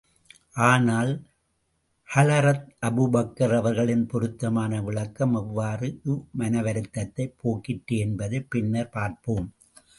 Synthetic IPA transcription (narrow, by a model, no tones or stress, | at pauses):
ʔaːnaːl | hɐlɐɾɐt̪ʔɐbubɐkːɐɾɐʋɐɾɣɐɭɪnpɔɾɯt̪ːɐmaːnɐʋɪɭɐkːɐmɛʋːaːrɯʔɯmɐnɐʋɐɾɯt̪ːɐt̪ːɐɪpʰːoːkːɪʈːeɛnbɐðɐɪpːɪnːɐɾpaːɾpoːm